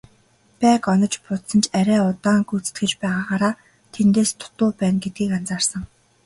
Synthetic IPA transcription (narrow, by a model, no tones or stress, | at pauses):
pæːkɔnɞ̆t͡ɕpʊt̪sə̆nt͡ɕʰæɾʲæːʊt̪aːŋɡut͡sɘ̥̆t̪ɡɘ̆t͡ɕpæːʁaːʁaːɾaː | t̪ʰent̪eːst̪ʰʊ̥t̪ʊːpæːnɡet̪̚ɡiːkant͡saːrsə̆ŋ